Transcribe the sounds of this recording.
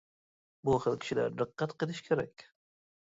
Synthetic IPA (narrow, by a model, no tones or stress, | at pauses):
buχəlkʲʰɪ̥ʃɪlæ̰ɾd̪ɨqːɑt̪qʰəlɪʃkʲʰeɾakʲ